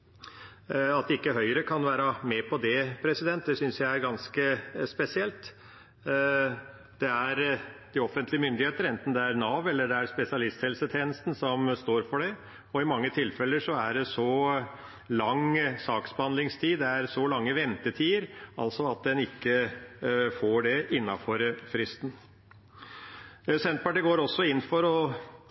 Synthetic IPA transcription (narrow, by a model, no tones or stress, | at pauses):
ɑt̪̚d̪ɛɪkːəɦœʏɾəkʰɑnʋæːɾɑmɛpʰɔd̪ɛpʰɾɛsɪd̪ɛnt̪̚d̪ɛsʏnsjæɪæɾɡɑnskəspɛsɪɛlt̪ | d̪̥ɛæɾd̪̥ɪɔfənt̪lɪəmʏnd̪ɪheːt̪əɾɛnt̪n̩d̪ɛæɾnɑʋɛlːəɖɛæɾspɛsɪɑlɪst̪hɛlsət̪ʰeːnəst̪n̩sɔmst̪oːɾfɔɖɛ | ɔɪmɑŋːət̪ʰɪlfɛlːəʂɔæɖɛsɔ | lɑŋsɑːksbəhɑnd̪lɪŋst̪ʰiːd̪ɛæɾsɔlɑŋːəʋɛnt̪ət̪ʰiːəɾɑ̰lsɔɑt̪̚d̪ɛnɪkːə | foːɖɛʔɪnːɑfɔɾfɾɪst̪n | sɛnt̪̚pɑʈiːɡoːɾɔsːɔɪnːfɔɾɔ